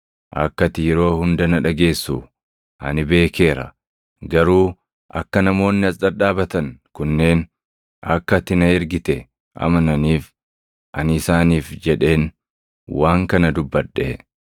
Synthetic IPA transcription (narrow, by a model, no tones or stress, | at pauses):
ʔɐ̰kːɐt̪ɪjɛɾo̞ːhʊnd̪ɐnɐᶑɐɡe̞ːsːu | ʔɐ̰nɪbe̞ːke̞ːɾɐ̰ | ɡɐɾuː | ʔɐ̰kːɐnɐmo̞ːnːɪɐsɗɐᶑaːbɐt̪ɐŋkʊnːe̞ːn | ɐ̰kːɐt̪ːɪnɐɪɾɡɪt̪ɛ | ʔɐ̰mɐnɐniːf | ʔɐ̰nɪsaːniːfd͡ʒɛᶑe̞ːn | waːŋkɐnɐd̪ʊbːɐᶑːe